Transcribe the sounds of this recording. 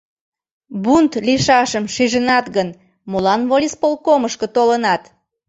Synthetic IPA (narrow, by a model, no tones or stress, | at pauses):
bunt̪liʃɑʃəmʃiʒənɑt̪ɣən | molɑnβolʲispolˠkoməʃkət̪olənɑt̪